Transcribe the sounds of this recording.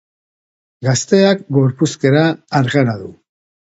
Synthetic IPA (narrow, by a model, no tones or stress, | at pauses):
ɡast̪e̞akɡo̞ɾpuske̞ɾaːɾɣaɾaðṵ